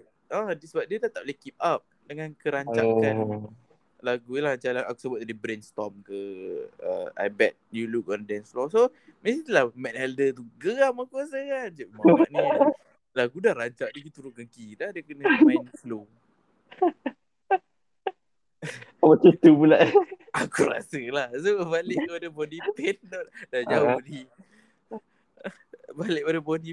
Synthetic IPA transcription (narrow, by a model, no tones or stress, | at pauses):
adsəbap̚diət̪at̪ap̚lekip̚ap̚ | dəŋãnkəɾaɲt͡ʃakan | laɡulahat͡ʃalaaku̥səbʊt̪̚dibɾenst̪ɔmkəə̰a̰jbɛt̪̚juluk̚ɔndɛnsflɔsomesit̪lahmɛtɛldət̪̬uɡəamakuasakand͡ʒaʔmamaʔni | lakudahɾaɲt͡ʃaʔd̪ukit̪uɾʊt̚ɡəŋkidadəkənəmanflo | abat͡ʃut̪ubulaʔ | akuɾa̰səlahsəbalɪʔkəpadabɔdipɛnddad͡ʒaʊdi | balɪʔ̚padəbɔdi